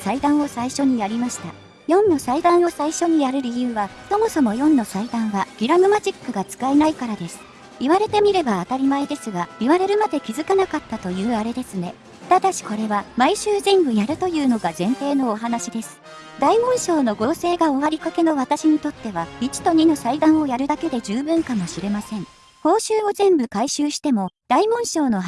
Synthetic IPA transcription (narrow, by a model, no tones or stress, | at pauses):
said̪ãɰ̃o̞saiɕo̞ɲ̟ijaɾʲimaɕi̥t̪a̰ | jõ̞nːo̞said̪ãɰ̃o̞saiɕo̞ɲ̟ijaɾɯ̟ɾʲijɯ̟ːβaso̞mo̞so̞mo̞jõ̞nːo̞said̪ãɰ̃βaɡ̥ʲiɾamɯ̟mad͡ʑikːɯ̟ɡat͡sɨ̥kainaikaɾad̪e̞sɨ̥ | iβaɾe̞t̪e̞mʲiɾe̞baːt̪aɾʲimaed̪e̞sɨɡaiβaɾe̞ɾɯ̟mad̪e̞kʲizɨkanakat̪ːat̪o̞jɯ̟ːaɾe̞d̪e̞sɨne̞ | t̪ad̪aɕi̥ko̞ɾe̞βamaiɕɨːʑĩmbɯ̟jaɾɯ̟t̪o̞jɯ̟ːno̞ɡazẽ̞nt̪e̞ːno̞ːɦanaɕid̪e̞sɨ̥ | d̪aimõ̞ɰ̃ɕo̞ːno̞ɡo̞ːse̞ːɡao̞βaɾʲikake̞no̞βat̪aɕiɲ̟it̪o̞t̪ːe̞βait͡ɕi̥t̪o̞ɲ̟ino̞said̪ãɰ̃o̞jaɾɯ̟d̪ake̞d̪e̞d͡ʑɨːbɯ̟̃ŋkamo̞ɕiɾe̞masẽ̞ɴ | hõ̞ːɕɨːo̞zẽ̞mbɯ̟kaiɕɨːɕi̥t̪e̞mo̞d̪̥aimõ̞ɰ̃ɕo̞ːno̞